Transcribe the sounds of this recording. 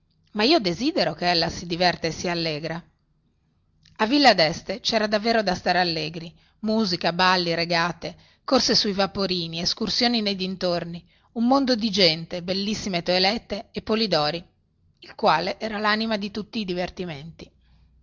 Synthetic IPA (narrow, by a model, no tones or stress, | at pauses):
maiːod̪eziːd̪eɾokeelːasid̪ivɛrt̪esialːeːɡɾa | avːilːad̪ɛst̪et͡ʃɛːɾad̪avːeːɾod̪ast̪aːɾealːeːɡɾi | muːzikabalːiɾeɡaːt̪e | korsesuivapoɾiːnieskursjoːninejd̪int̪orni | umːond̪od̪id͡ʒɛnt̪ebelːisːimet̪oelɛt̪ːeːpːolid̪ɔːɾi | ilkwaːleʔɛːɾalanimad̪it̪ut̪ːiːd̪ivert̪iment̪i